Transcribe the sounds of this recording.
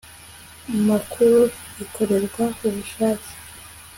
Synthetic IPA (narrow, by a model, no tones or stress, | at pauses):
amakʰuɾu | ikʰo̞ɾe̞ɾɡwakuβuʃaːti̥